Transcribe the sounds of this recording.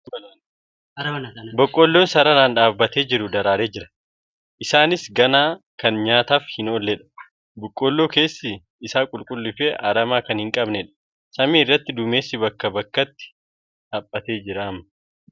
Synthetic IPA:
bɔkʼːoːlːoːnsɐɾɐnaːnᶑaːbːɐt̪e̞ːd͡ʒɪɾʊd̪ɐɾaːɾe̞ːd͡ʒɪɾɐ̥ | ʔɪsaːnɪsɡɐnaː | kɐnɲaːt̪aːfhɪnolːɛᶑɐ̥ | bʊkʼːoːlːo̞ːke̞ːsːɪ | ɪsaːkʼʊlkʼʊlːɪfeːʔaɾɐmaːkɐnhɪŋkʼɐbnɛᶑɐ̥ | sɐmiːɪrːɐt̪ːɪd̪ʊme̞ːsːɪbɐkːɐbɐkːɐt̪ːɪ̥ | hɐpʼːɐt̪e̞ːd͡ʒɪɾamɐ

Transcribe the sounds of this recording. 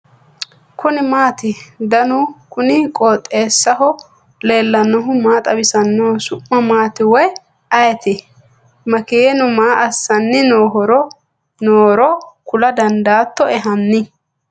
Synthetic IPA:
kʰʊnɪmaːt̪ɪd̪ɐnʊkʊnɪkʼoːt̪ʼːe̞ːsːɐɦɔ | le̞ːlːɐnːɔɦʊmaːt̪ʼɐbɪsɐnːoːsʊʔːɐmaːt̪ɪwɔj | ɐjɛt̪ɪ | mɐkejɛnʊmaːʔɐsːɐnːɪnoːɦɔɾɔ | noːɾɔkʊlɐd̪ɐnd̪aːt̪ːɔɛɦɐnːɪ

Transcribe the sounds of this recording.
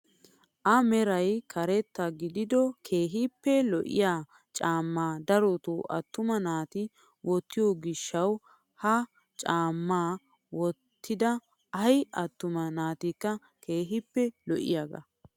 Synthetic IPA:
ʔɐmɛɾɐjkʰɐɾɛt̪ːɐɡɪd̪ɪd̪ɔkʰeːɦɪpːɛlɔʔɪ̰jaː | t͡ʃʼaːmːaːd̪ɐɾɔt̪oːʔɐ̰t̪ːʊmɐnaːt̪ɪ | wɔt̪ːɪjoɡɪʃːɐw | hɐ | t͡ʃʼaːmːaː | wɔt̪ʰːɪd̪ɐ | ɐjɐt̪ːʊmɐnaːt̪ikːɐ | kʰeːɦɪpːɛlɔʔɪ̰jaːɡɐ̰

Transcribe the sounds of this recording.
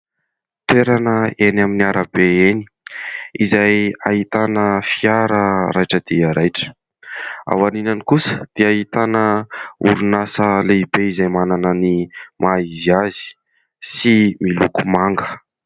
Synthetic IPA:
t̪eɾanəenaminiaɾəbeeni̥izaja̰ɦit̪anəfiaɾəɾajʈ͡ʂəd̪̥iəɾʔajʈ͡ʂə̥ | a̰waninanikusə̥d̪̥iaɦit̪anəṵɾunasəleibeizajmananənimʔaiziazi̥ | similukumaŋɡə̥

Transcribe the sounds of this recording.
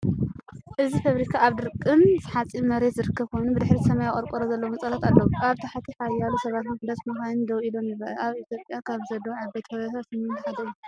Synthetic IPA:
ʔɨzifaβɾikʰaːβd̪ɨɾkʼːɨnzɨħat͡sʼːimɐɾe̞t̪zɨɾɨkːɐβkʰo̞jnubɨd̪ɨħɾisɐmajaχʼɐɾkʼɐɾozɐlːɐwunt͡sʼɐlat̪alːɐwuʔaβt̪ʰaħat̪ʰiħajːalusɐβat̪mɨfd̪asmɐxanɨnd̪ɐwʔid̪o̞mjɪβaʔɐʔaβit̪ʰjo̞pʼjakʰaβzɐd̪ɐwʕaβbet̪ʰɐβat̪ʰasɨmnt̪ɐħat̪ɐju

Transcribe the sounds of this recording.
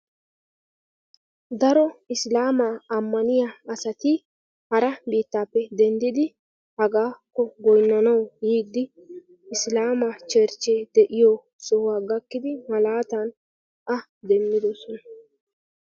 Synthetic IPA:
d̪ɐɾɔɪslaːmaɐmːɐnɪjaɐsɐt̪ɪ | hɐɾɐbiːt̪ːaːpːɛd̪ɛnd̪ɪd̪ɪ | hɐɡaːkːɔɡɔjnːɔnɐwjiːd̪ɪ | ɪslaːmɐt͡ʃeːɾt͡ʃːeːd̪ɛʔɪjɔ | sɔhwaːɡɐkːɪd̪ɪmɐlaːt̪ɐn | ɐ | d̪ɛmːɪd̪ɔsɔnɐ

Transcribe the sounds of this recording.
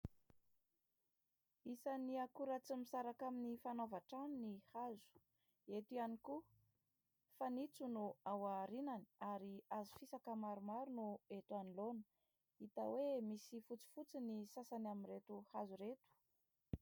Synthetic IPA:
isaniakuɾat͡simisaɾakaminifanovaʈ͡ʂaninihazu̥ | et̪ianiku | fanit͡sunuawaɾinani̥aɾiazi̥fisakamaɾumaɾunuet̪uanilonə | it̪a̰wemisifut͡si̥fut͡sinisasanamiɾet̪uhazuɾet̪u̥

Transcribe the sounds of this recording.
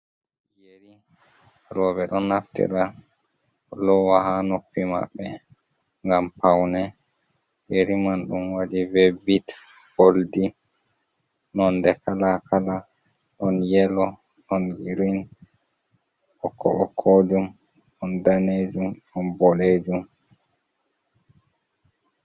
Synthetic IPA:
jeɾi | ɾɔːbɛɗɔnːaftḭɾa | lɔwaɦanopːima̰bːɛ | ŋɡampawnɛ | jeɾimanɗunwadivebit | boldi | nɔndɛkalakʰala | ɗɔnjɛlɔ | ɗɔnɡiɾin | ɔkʰːɔ̰ʔɔkʰːod͡ʒum | ɗɔndaned͡ʒumɗɔnbɔleːd͡ʒum

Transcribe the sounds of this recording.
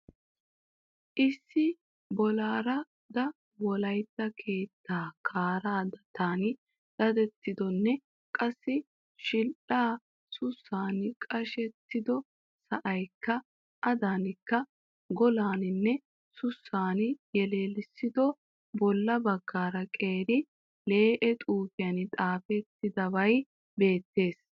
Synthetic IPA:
ʔɪsːɪ | bɔlaːɾɐ | d̪ɐ | wɔlɐjt̪ːɐkʰe̞ːt̪ːaːkʰaːɾaːd̪ɐt̪aːnɪ | d̥ɐd̪ɛt̪ːɪd̪ɔnːɛ | kʼɐsːɪ | ʃɪlʔaː | sʊsːaːnkʼɐʃɛt̪ːɪd̪ɔ | sɐʔɐjkːɐ | ʔɐd̪aːnɪkːɐ | ɡɔlaːnɪnːɛ | sʊsːaːnjɛle̞ːlɪsːɪd̪ɔ | bɔlːɐbɐɡːaːɾɐkʼe̞ːɾɪ | le̞ːʔɛt̪ʼuːfɪjɐnɪt̪ʼaːfɛt̪ːɪd̪ɐbɐj | be̞ːt̪ːe̞ːs

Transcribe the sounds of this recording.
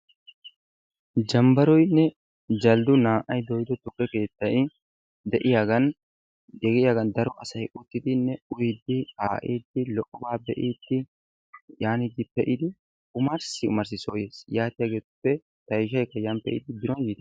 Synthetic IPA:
d͡ʒɐmbɐɾɔjnːɛ | d͡ʒɐld̪ʊnaːʔɐjd̪ɔjd̪ɔt̪ʊkʼːɛke̞ːt̪ːɐj | d̪ɛʔɪjaɡɐn | ɛɡɪjaːɡɐnd̪ɐɾɔʔɐsɐjʊt̪ːɪd̪ɪnːɛʊjd̪ːɪhaːʔiːd̪ːɪlɔʔːɔbaːbɛʔiːd̪ːɪ | jaːnɪd̪ɪpɛʔɪd̪ɪ | ʊmɐɾsɪʊ̰mɐɾs̬ɪsoːje̞ːsjaːt̪ɪjaːɡeːʊpːɛ | t̪ɐjʃ̬ɐjkɐjɐmpɛʔɪd̪ɪb̪ɪɾɔnjɪt̪ɪ

